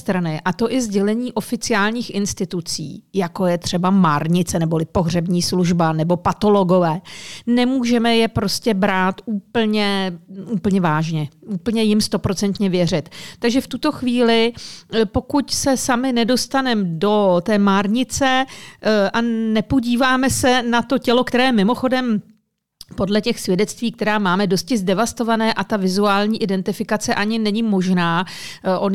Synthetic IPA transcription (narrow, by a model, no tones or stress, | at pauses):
t̪ɾanɪʔat̪o̞ʔɪzɟɛlɛɲiːʔo̞fɪt͡sɪaːlɲiːxʔɪnst̪ɪt̪ut͡sḭːjako̞jɛt̪r̝̥ɛbamaːɾɲɪt͡sɛnɛbo̞lɪpo̞ɦr̝ɛbɲiːsluʒbanɛbo̞pat̪o̞lo̞ɡo̞vɛːnɛmuːʒɛmɛjɛpɾo̞scɛbɾaːt̪uːpl̩ɲɛʔuːpl̩ɲɛvaːʒɲɛʔuːpl̩ɲɛjɪmst̪o̞pɾo̞t͡sɛnt̪ɲɛvjɛr̝ɪt̪t̪ːaɡʒɛft̪ut̪o̞xviːlɪpo̞kucsɛsamɪnɛdo̞st̪anɛmdo̞t̪ɛːmaːɾɲɪt͡sɛ | ʔanɛpo̞ɟiːvaːmɛsɛnat̪o̞cɛlo̞kt̪ɛɾɛːmɪmo̞xo̞dɛm | po̞dlɛcɛxsvjɛdɛt͡st̪viːk̚t̪ɛɾaːmaːmɛdo̞s̚cɪzdɛvast̪o̞vanɛːʔat̪avɪzuaːlɲiːʔɪdɛnt̪ɪfɪkat͡sɛʔaɲɪnɛɲɪmo̞ʒnaːʔon